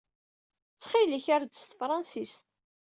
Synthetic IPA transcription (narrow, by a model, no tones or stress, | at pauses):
t͡sːχiliçaɾd̪əst̪əfɾˤɑnsist̪